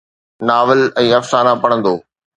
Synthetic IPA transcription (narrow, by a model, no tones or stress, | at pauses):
naːʋɪlɛ̃ːɐfsaːnapɐɽ̃ə̃nd̪oː